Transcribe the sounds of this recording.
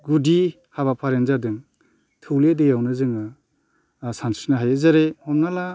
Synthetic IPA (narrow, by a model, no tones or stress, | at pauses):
ɡudi | haβapʰaɾenzadɯŋ | tʰɯwledejawnɯzɯŋɯ | sansinaɦajezaɾehɔmnala